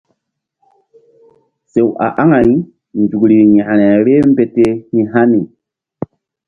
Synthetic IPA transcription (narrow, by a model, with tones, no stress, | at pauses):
se˨wʔa̰˨ʔa˦ŋa˨i˦ | nd͡ʒu˨kɾi˨ɲa˨ʔɾɛ˨ɾe˦m˦be˨te˦hĩ˦ɦa˦ni˨